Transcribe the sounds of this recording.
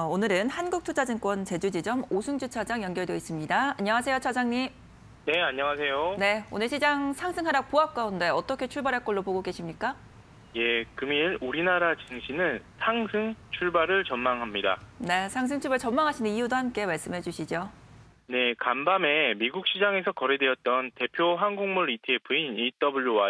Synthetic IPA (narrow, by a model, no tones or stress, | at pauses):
onɯɾɯnhanɡuk̚tʰut͡ɕʰad͡ʑɯŋk͈wʌnt͡ɕe̞d͡ʑud͡ʑid͡ʑʌmosʰɯŋd͡ʑut͡ɕʰad͡ʑaŋjʌŋɡjʌɭdois͈ɯmɲidaaɲːʌŋas̬ʰe̞jot͡ɕʰʌd͡ʑaŋɲim | ne̞aɲːʌŋas̬ʰe̞jone̞onɯɭɕʰid͡ʑaŋsʰaŋsʰɯŋɦaɾak̚poak̚k͈aunde̞ʌt͈ʌkʰe̞t͡ɕʰuɭbaɾɦaɭk͈ʌɭːopoɡoɡe̞ɕʰimɲik͈a | je̞kɯmiɾuɾinaɾat͡ɕɯŋɕʰinɯnsʰaŋsʰɯŋt͡ɕʰuɭbaɾɯɭt͡ɕʌnmaŋɦamɲida̰ne̞sʰaŋs̬ʰɯŋt͡ɕʰuɭbɯɭt͡ɕʌnmaŋɦaɕʰinɯnijudohamk͈e̞maɭs͈ɯmɦe̞d͡ʑuɕʰid͡ʑjo | ne̞kambame̞miɡuk̚ɕ͈ʰid͡ʑaŋe̞sʰʌkʌɾedeʌt̚t͈ʌnte̞pʰjoɦaŋɡoŋmuɭitʰɯepʰɯinit͈ʌbuɭːowa